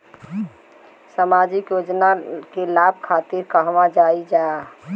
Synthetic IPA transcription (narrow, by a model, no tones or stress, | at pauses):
samad͡ʒikjod͡ʒnakelab̚ʱkʰat̪iɾkəɦʋad͡ʒaid͡ʒa